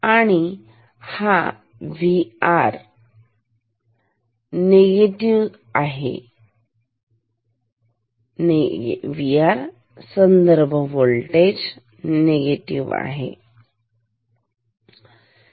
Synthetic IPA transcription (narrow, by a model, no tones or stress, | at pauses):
aɽ̃i | ha | ʋiaɾ | neɡeʈiʋ | aɦḛ | ʋiaɾ | sənd̪əɾbʱəʋoɭlʈed͡ʑ | neɡeʈiʋa̰ɦḛ